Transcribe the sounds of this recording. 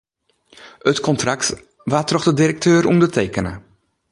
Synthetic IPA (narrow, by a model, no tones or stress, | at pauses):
ətkɔntrak̚t | ʋaːtrɔxdədirək̚tʰøːɾʔumdətʰeːkənə̰